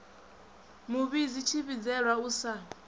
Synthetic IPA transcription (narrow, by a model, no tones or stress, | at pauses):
muβizit͡ʃʰiβid͡zɛɺwauːsa